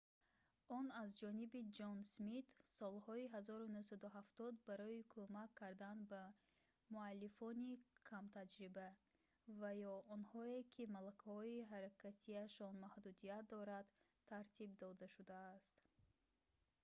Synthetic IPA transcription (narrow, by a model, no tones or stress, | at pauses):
ɔnazd͡ʒɔnibid͡ʒɔnsmit̪sɔlhɔiɦazɔɾunuhsad̪uɦaft̪ɔd̪baɾɔikʰumakʰːaɾd̪anba | mualːifɔnikʰamt̪ʰad͡ʒɾiba | vajɔɔnhɔe̞kʰimalakʰahɔiɦaɾakʰat̪ʰiaʃɔnmahd̪ud̪ijat̪̚d̪ɔɾad̪ | t̪ʰːaɾt̪ʰibd̪ɔd̪aʃud̪aːst̪